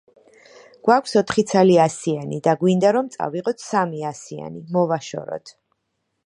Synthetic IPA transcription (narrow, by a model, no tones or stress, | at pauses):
ɡ̥wakʷʰsɔt̪ʰχit̪sʰaliasianid̪aɡwind̪aɾɔmt̪sʼa̰viʁɔt̪ʰsamiasia̰nimɔvaʃɔ̰ɾɔ̰t̪ʰ